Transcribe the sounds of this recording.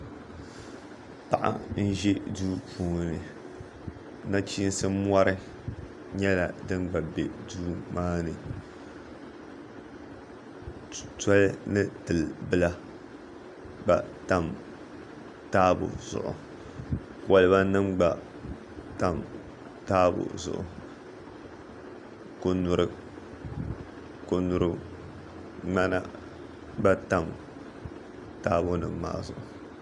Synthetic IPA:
pa˨ʔa̰˨n̩˦ʒi˦duː˦pʰuː˦˨nɨ˨ | na˦t͡ʃiː˦n˦sɨ˦mwa˦ɾɨ˦ | ɲɛ˦la˨dɨ˦nɡ͡ba˨bɛ̰˨duː˦maː˦nɨ˨ | tɔ˦lnɨ˦tɨ˨lbɨ˦la˦ | ɡ͡ba˨ta˦˨m | taː˦bʊ̰˨z̥ʊ̰˨ʔʊ̰˨ | ka˦lɨ˦ba˦nɨ˦mɡ͡ba˨ | ta˦m | taː˦bʊ̰˨zʊ̰˨ʔʊ̰˨ | ko˦nʊ˦ɾɨ˦ | ko˦nu˦ɾɨ˦ | ŋ͡ma˦na̰˦ | ɡ͡ba˦ta˦m | taː˦bʊ˦nɨ̰˨mma̰ː˦zʊ̰˨ʔʊ˨

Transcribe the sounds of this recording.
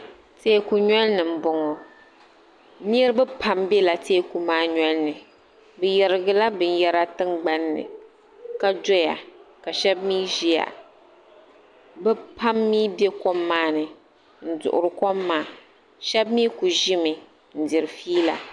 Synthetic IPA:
teː˦˨ku˨ɲɛ˦lnɨ˨m̩˨bɔ˨ŋɔ˨ | ni˦ɛ˦ɾbɨ˦pʰa˦mbe˦la˨teː˦˨ku˨maː˦ɲɛ˦lnɨ˨ | bɨ˨jɛ˨ɾɨ˨ɡɨ˨la˦bɨ˦n˦jɛ˦ɾa˦tɨ˦ŋɡ͡ba˦nːɨ̰˨ | ka˦dɔ˦ja̰˨ka˨ʃɛ˦b̚miː˦ʒi˦ja̰˨ | bɛ˦pʰa˦mːiː˦be˦kɔ˦mːaː˦nɨ˨ | n̩˦dʊ̰˨ʔʊ̰˨ɾɨ˨kɔ˦mːaː˦˨ | ʃɛ˦bmiː˦ku˨ʒɪ˦mɨ˨ | n̩˨dɪ˨ɾɨ˨fiː˦la̰˨

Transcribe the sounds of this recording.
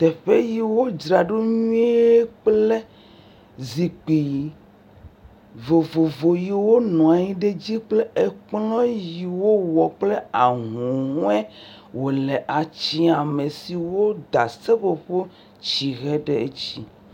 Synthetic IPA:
t̪ɛ˨ɸe˦ji˨wo˦d͡ʒɾa˨ɖo˦ɲũ˦e˦k͡ple˦ | zi˨k͡pi˨ | vo˨vo˨vo˨ji˨wo˦nɔ̃˨a˨ɲĩ˦ɖe˦d͡ʑi˦k͡ple˦e˨k͡plɔ̃˦ji˨wo˦wɔ˨k͡ple˦a˨ɦũ˨ɦũ˦ɛ˦ | wo˨lɛ˨ʔa˨t͡ɕi˦a˨me˨si˨wo˦d̪a˨se˦ɸo˨ɸo˦ | t͡ʃt͡ɕi˨ɣɛ˦ɖe˦e˦t͡ɕi˦

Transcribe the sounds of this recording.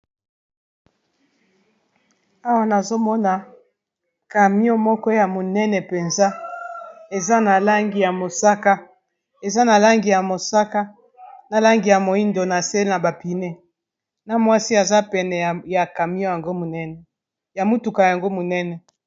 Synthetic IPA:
a˦wa˦na˨zo˦mɔ˦na˨ | ka˨mi˦o˦mɔ˦kɔ˦ja˨mo˨nɛ˦nɛ˨pe˨nza˦ | e˨za˦na˨la˦ŋɡi˨ja˨mo˨sa˦ka˦ | e˨za˦na˨la˦ŋɡi˨ja˨mo˨sa˦ka˦ | na˨la˦ŋɡi˨ja˨mo˨i˦ndo˨na˨se˦na˨ba˨pi˨ne˦ | na˨mwa˦si˦a˨za˦pɛ˨nɛ˨ja˨ka˨mi˦o˦ja˨ŋɡo˦mo˨nɛ˦nɛ˨ | ja˨mu˦tu˨ka˨ja˨ŋɡo˦mo˨nɛ˦nɛ˨

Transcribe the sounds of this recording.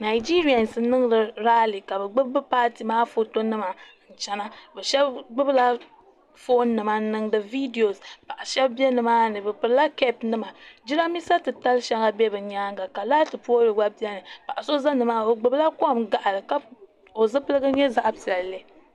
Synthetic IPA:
na˨i˨d͡ʒi˦ɾi˦a˨nsɨ˦nɨ˦ŋ˦lɨ˨ɾaː˦li˨ka˨bɛ˨ɡ͡bɨ˦bbɨ˦paː˦ti˨maː˦fo˦to˦nɨ˦ma˨ | n̩˨t͡ʃɛ˦na˦bɛ˨ʃɛ˦bɡ͡bɨ˦bla˦ | fo˦nnːɨ˨ma˨˦nɨ˦ŋdɨ˨vi˦di˨o˨spa˨ʔa˨ʃɛ˦bbi˦ɛ˦nɨ˨maː˦nɨ˨bɨ˨pɨ˨ɾla˦kɛ˦pnɨ˦ma˨d͡ʒi˦ɾa˦mi˦sa˦tɨ˨ta˦lʃa˦ŋa˦bɛ˦bɨ˨ɲaː˦ŋɡa˨ka˨laː˦tɨ˨pu˦o˦ɾɨ˨ɡ͡ba˦bi˦ɛ˦nɨ˨pa˨ʔa˨so˦za˦nɨ˨maː˦o˨ɡ͡bɨ˦bla˦kɔ˦˨mɡa˨ʔlɨ˨ka˦ | o˨zɨ˦pɨ˦lɨ˦ɡɨ˦ɲɛ˦za˦ʔa˦pi˨ɛ˨lle˦

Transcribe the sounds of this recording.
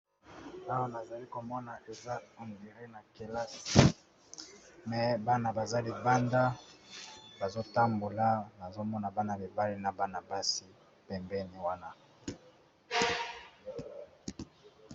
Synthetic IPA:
a˦wa˦na˨za˨li˦ko˨mɔ˦na˨ʔe˨za˦ɔ˨ndi˨ʁe˦na˨ke˨la˦s | mɛ˨ba˦na˨ba˨za˦li˦˨ba˦nda˦ | ba˨zo˦ta˦mbo˨la˦na˨zo˦mɔ˦na˨ba˦na˨li˨ba˦le˦na˨ba˦na˨ba˦si˦ | pɛ˨mbɛ˦ni˨wa˦na˦

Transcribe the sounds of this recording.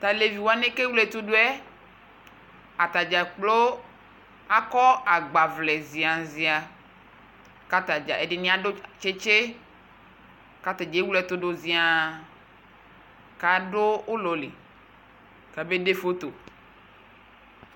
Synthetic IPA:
t̪a˨le˨vi˨wo˨a˨nẽ˦ke˦wlɛ˨t̪o˦ɖo˦ɛ˦ | a˨t̪a˨d͡ʒa˨k͡plo˦ | a˦kɔ˦a˨ɡ͡ba˨vlɛ˨zi˨a˨zi˨a˨ | ka˦t̪a˨d͡ʒa̰˨e˨ɖe˨nĩ˦a˦do˦t͡ʃe˦t͡ʃe˦ | ka˦t̪a˨d͡ʒe˨˦wu˦lɛ˨t̪o˦ɖo˨zi˨a˨ | ka˨ɖo˦o˦lɔ˨lḛ˨ | ka˨be˦de˦fo˦t̪o˨

